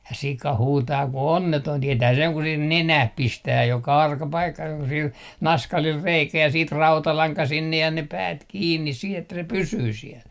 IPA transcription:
jɑ sikɑ huːtɑː ku onːetoin tietæː seŋ ku sih nenæh pistæː jokɑ ɑrkɑ pɑikːɑ jokɑ sil nɑskɑlil reikæ jɑ siːt rɑutɑlɑŋkɑ sinːej jɑ ne pæːt kiːnːis sih etːæ se pysyː siɛl

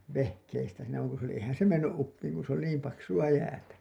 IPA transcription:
ʋehkeistæ siːnæ ʋɑŋ ku se oli ehæn se menːyʔ ʔupːiːŋ ku se oli niːm pɑksuɑ jæːtæ

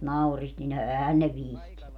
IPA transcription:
nɑurist nin ɛhæn ne ʋihtinːy

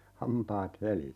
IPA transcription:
hɑmpɑːt helisi

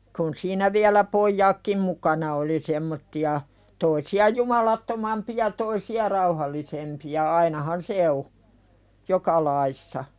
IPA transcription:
kun siːnæ ʋiælæ pojːɑːkːim mukɑnɑ oli semːotːiɑ toisiɑ jumɑlɑtːomɑmpij̆ɑ toisiɑ rɑuhɑlːisempiɑ ɑinɑhɑn se o jokɑ lɑisːɑ

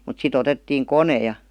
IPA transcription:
mut sit otetːiːŋ kone jɑ

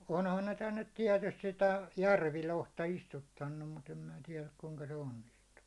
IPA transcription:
onhɑn ne tænːet tiɛtyst sitæ jærʋilohtɑ istutːɑnːum mut em mĭn̆æ tiɛlæk kuŋkɑ se onːistuː

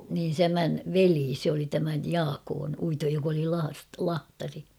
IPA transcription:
niːn tæmæn ʋeliː se oli tæmæj jɑːkoːn uitoj jok oli lɑːst lɑhtɑri

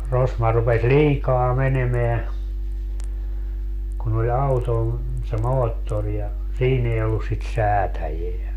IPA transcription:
rosmɑ rupes liːkɑː menemeæ kun olʲ ɑuton se moːtːor jɑ siːn ei olːus sit sæːtæjeæ

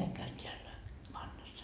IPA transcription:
ɑiŋ kæyn tʲeælːæ ʋɑnːɑsːɑ

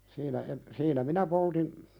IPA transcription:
siːnæ en siːnæ minæ poltim

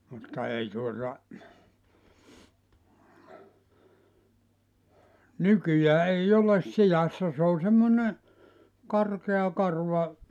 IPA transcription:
mutːɑ ei tuotɑ nykyjæː ei oles sijɑsːɑ s o semːone kɑrkeɑ kɑrʋɑ

